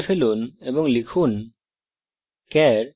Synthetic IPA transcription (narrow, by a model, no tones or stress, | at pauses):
pʰelunɛbɔŋlikʰun | kɛɾ